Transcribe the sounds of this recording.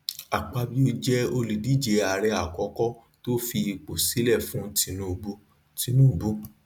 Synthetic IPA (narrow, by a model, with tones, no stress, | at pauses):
a˨k͡pa˧bi˦o˧d͡ʒɛ˦o˧li˨di˨˦d͡ʒe˨˧˦a˨ɾɛ˧a˨kɔ˨˦kɔ˦ | to˦fi˧k͡po˨si˨˦lɛ˦˨fũ˨˦ti˨˧˦nũ˦˧˨bo˧ | ti˨˧˦nũ˦˨bo˦